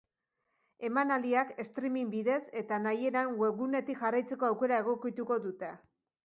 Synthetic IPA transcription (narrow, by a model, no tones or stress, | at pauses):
e̞manald̪iake̞st̪ɾimimbiðe̞se̞t̪anaje̞ɾaŋweɣune̞t̪ikʝarajt͡se̞ko̞awke̞ɾae̞ɣ̞o̞kit̪uko̞ðut̪e̞